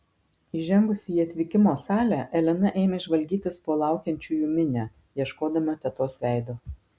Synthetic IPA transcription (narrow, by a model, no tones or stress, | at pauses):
ɪʒʲɛŋɡʊsʲiiːɐt̪ʲʋʲɪkʲɪmoːsɑːlʲæˑʔɛlʲɛnɐʔeːmʲeɪʒʋɐlʲɡʲiːt̪ʲɪspoːlˠɑˑʊkʲɛnʲt͡ʃʲuːjuːmʲɪnʲɛ | jiɛʃkoːd̪ɐmʲot̪ʲɛt̪oːsʋʲæˑɪd̪o